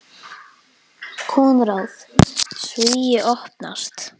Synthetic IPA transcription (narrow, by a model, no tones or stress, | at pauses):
kʰuːnɾawθsviːjɪʔɔhpna̰st̪